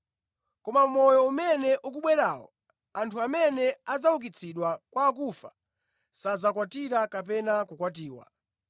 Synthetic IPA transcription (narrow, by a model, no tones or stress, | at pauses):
kɔmam̩mɔjɔumɛnɛʔuk̬uɓwɛɾaːwɔ̰ | antʰuamɛnɛad͡zawuk̬it͡sʰiɗwakwaːk̬ufa | sad͡zakwatiɾakap̬ɛnakukwat̬iːwa̰